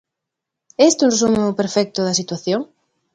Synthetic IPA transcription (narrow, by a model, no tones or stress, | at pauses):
ɛst̪ɪũnres̬umʊpeɾfɛk̚t̪ʊðɐsit̪waθjoŋ